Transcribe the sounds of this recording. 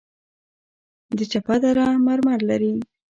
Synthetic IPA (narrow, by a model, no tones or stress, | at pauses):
d̪ət͡ʃapad̪aɾamaɾmɑɽlaɾi